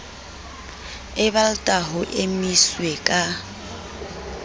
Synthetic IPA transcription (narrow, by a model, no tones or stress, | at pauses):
ɪbaltʼaɦʊʔemiswekʼa